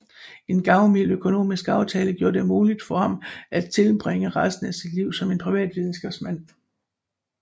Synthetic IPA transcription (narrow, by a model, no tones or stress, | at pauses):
e̝nɡ̥ɑ̈ʊmiløkʰo̝no̝̰ːmisɡ̥ɑ̈ʊt͡sʰɛːləɡ̥jo̝ːɐd̥emuːlid̥fɒ̽hɑ̈mæ̥t͡sʰe̝lb̥ʁeŋəʁasd̥̚n̩æsid̥liʊ̰sɒ̽me̝npʰʁiʋɛ̰ːd̥ʋið̞ˠn̩sɡ̥ɛb̥smæn̰